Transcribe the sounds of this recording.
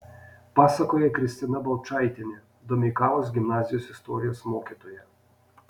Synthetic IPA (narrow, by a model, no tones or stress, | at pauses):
pasakɔjɛkɾist̪ɛnabawt͡ʃajt̪ʲɛnʲɛ | d̪ɔmikalɔzɡʲimnazijɔsɛst̪ɔɾijɔsmɔkʲɛt̪ɔjɛ